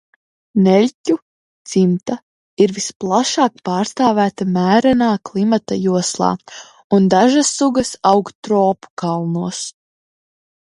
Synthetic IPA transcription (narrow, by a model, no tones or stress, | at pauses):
nɛlʲcʲu | t̪simt̪a | iɾvisplˠaʃaːk̚pɑːɾst̪aːvæːt̪amæːɾanaːklˠimat̪ajuɔslˠɑ̰ː | und̪aʒasːuɡɐsawkt̪ɾɔːpu̥kalˠnuɔs